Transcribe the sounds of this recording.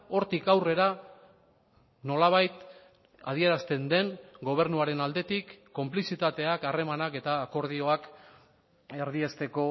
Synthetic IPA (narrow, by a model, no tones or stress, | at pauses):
o̞ɾt̪ikawre̞ɾa | no̞laβ̞ajt̪ | a̰ð̞ie̞ɾast̪e̞nd̪e̞ŋɡo̞β̞e̞ɾnuaɾe̞nald̪e̞t̪ikːo̞mplisit̪at̪e̞akare̞manake̞t̪aːko̞ɾð̞io̞ak | eɾð̞iest̪e̞ko̞